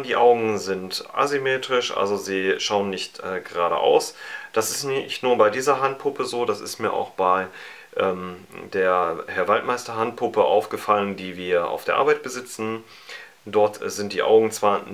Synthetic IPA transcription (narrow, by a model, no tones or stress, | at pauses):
d̥iːʔaʊɡŋ̩zɪntʔa̰zimeːtʁ̥ɪʃʔa̰lzoziːʃaʊənːɪçtʔɛːɡəʁaːɾə̰ʔa̰ʊsd̥asɪstnɪçtnuːɐbaɪdiːzɐɦant̚pʰʊpʰəzoːdasɪ̰stmiːɐʔa̰ʊxb̥aɪ | ʔɛːmd̥eːɐhɛɐvaltmaɪstɐɦant̚pʰʊpəʔa̰ʊfɡ̥əfaləndiːviːɐʔa̰ʊfd̥eːɐʔaɐːbaɪt̚b̥əzɪt͡sn̩ | d̥ɔɐtz̥ɪntd̥iːʔa̰ʊɡŋ̩t͡sv̥aːɐ